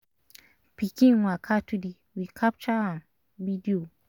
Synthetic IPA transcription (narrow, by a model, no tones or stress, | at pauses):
pikĩnwakʰatudi | wikʰap̚t͡ʃaãn | bidio